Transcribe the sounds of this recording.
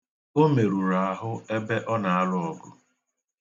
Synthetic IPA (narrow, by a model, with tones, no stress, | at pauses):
o˦me˨ɾu˨ɾa˨a˦ɦʊ˦e˦be˦ʔɔ˦na˨a˦lʊ˦ɔ˨ɡʊ˨